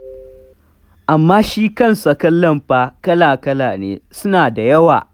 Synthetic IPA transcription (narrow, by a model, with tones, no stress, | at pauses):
ʔa˨mːaː˦ʃiː˦kɐ˦nsɐ˨kɐ˦lːɐ˦˨mɸaː˦kɐ˦laː˨kɐ˦laː˨nḛː˨˦sʊ˦naː˨da˨jɐ˦wa̰ː˨